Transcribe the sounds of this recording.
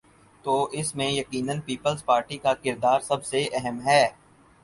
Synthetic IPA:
t̪oːɪsmẽjɐqiːnənpiːpəlzpaːɾʈikakɪɾd̪aːɾsɐbseɛɦɛmɦɛː

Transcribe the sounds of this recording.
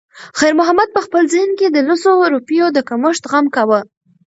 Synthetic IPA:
xajɾmʊɦamad̪̚pəxpəlzənked̪əlʊsoɾopijod̪əkaməʂt̪ɣamkawə

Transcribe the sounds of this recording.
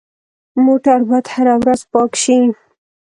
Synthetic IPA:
moʈaɾbad̪haɾawɾazpɑkʃi

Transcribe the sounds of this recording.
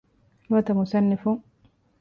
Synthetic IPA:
mɐt̪ɐmʊsɐnːɪfʊŋ

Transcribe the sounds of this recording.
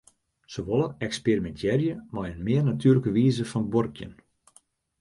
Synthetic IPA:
səʋoləɛksperimɛntʰjɛrjəmɔjənmɪərnatʰyːləkəʋiːzəfɔnborkʰjə̰n

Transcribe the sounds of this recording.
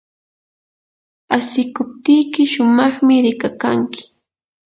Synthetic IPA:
asɪkʊp̚t̪ijkɪʃʊmɑχmɪɾɪkakaŋkɪ̥

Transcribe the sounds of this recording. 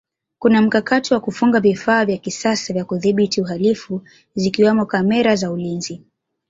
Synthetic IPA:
kunam̩kakatiwakufuŋɡavifaːvjakisasavjakuðiɓitiuɦalifu | zikiwamɔkamɛɾazaulinzi

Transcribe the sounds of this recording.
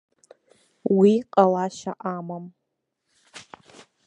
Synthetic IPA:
wiqʼalaʃa̰ʔamam

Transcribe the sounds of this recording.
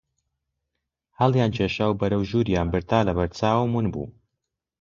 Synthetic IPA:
hɐlˠjaːnt͡ʃʰeːʃaːwbɐɾɐwʒuːɾjaːnbɨɾt̪aːlɐβɐɾt͡saːwmunbṵː

